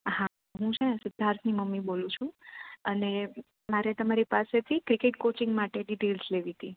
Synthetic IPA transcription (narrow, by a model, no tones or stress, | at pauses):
ɦa | ɦũt͡ʃʰɛñsɪd̪ʱaɾt̪ʰniməmːibolũt͡ʃʰũəne | maɾet̪əmaɾipaset̪ʰikɾikeʈ̚kot͡ʃɪŋɡmaʈeɖiʈelsleʋit̪i